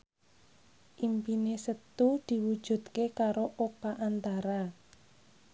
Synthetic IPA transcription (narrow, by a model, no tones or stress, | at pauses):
ʔimpinesət̪ud̪̥i̤wud̥ʒ̥ṳt̪̚kekaɾoʔopaʔant̪aɾa